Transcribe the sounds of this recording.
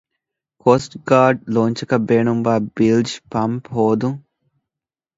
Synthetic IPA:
koːsʈɡaːɾɖ̚loːɲt͡ʃɐkɐbeːɳumʋaːbild͡ʒpɐmpɦoːd̪u

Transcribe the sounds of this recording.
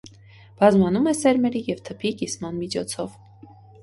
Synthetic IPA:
b̥ɑzmɑnumɛsɛɾmɛɾijɛvt̪ʰəpʰikismɑnmit͡ʃʰɔt͡sʰɔv

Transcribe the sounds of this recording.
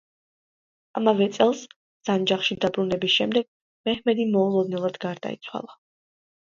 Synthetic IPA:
amavɛt̪sʼɛlˠs | z̥and͡ʒaχʃid̪abɾunɛbisʃɛmd̪ɛɡ̥̚ | mɛhmɛd̪imɔulˠɔd̪nɛlˠad̪ɡaɾd̪a̰ḭt̪sʰwa̰lˠa

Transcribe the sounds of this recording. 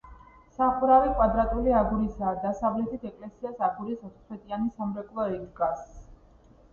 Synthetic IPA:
saχuɾavɛkʼwad̪ɾat̪ʼuliaɡuɾisaːd̪asavlɛt̪ʰit̪ʰɛkʼlɛsiasaɡuɾisɔt̪χwɛt̪ʼianisamɾɛkʼlˠɔɛɡɡas

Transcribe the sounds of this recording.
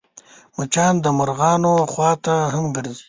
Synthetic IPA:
mɐt͡ʃɑːnd̪əmɐɾɣɑːnoxwɑːt̪aɦɐmɡəɾzi̥

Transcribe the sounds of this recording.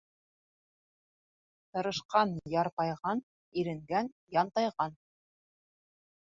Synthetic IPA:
t̪ɤ̆ɾɤ̆ʃqɑnjɑɾt̪ɑjʁɑn | iɾɘ̆ŋɡæn | jɑnt̪ɑjʁɑn

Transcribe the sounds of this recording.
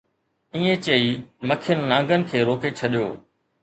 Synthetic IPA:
ĩːẽt͡ɕeiːmɐkʰɪjənɪːãːŋɡənɪ̆kʰeːɾoːket͡ɕʰɐɗijo̰ː

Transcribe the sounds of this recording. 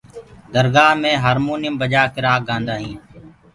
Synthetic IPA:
d̪əɾɡaːmẽːɦaːɾmuːnɪjəmbəd͡ʒaːkɪɾaːɡãːnd̪aːɦĩː

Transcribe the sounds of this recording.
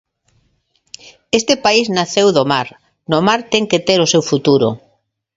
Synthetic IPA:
est̪epaiznaθewðomaɾ | nomaɾt̪ɛŋket̪eɾosewfut̪uɾʊ̰

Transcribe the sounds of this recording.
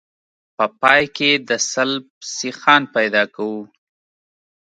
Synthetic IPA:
pəpɑjked̪əsalb̚sixɑnpajd̪ɑkawu

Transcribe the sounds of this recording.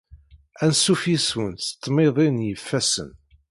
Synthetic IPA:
ænsufiswənt̪t̪ˤːmɪðˤinjəfːæsə̰n

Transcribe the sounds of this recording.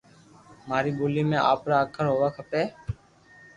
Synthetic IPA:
maːɾiːbuːliːmẽːʔa̰ːpɾaːəkʰəɾɦoːʋaːkʰəpeː

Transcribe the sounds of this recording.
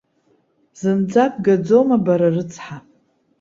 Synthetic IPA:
zɨnd͡zap̚ʼɡad͡zo̞mabaɾarɨt͡sʰħa

